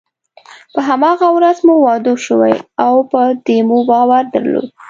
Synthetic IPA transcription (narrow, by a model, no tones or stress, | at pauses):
pəɦamɑɣawɾazmuwɑd̪oʃəwa̰jawpəd̪emubɑwaɾd̪ə̰ɾlo̰d̪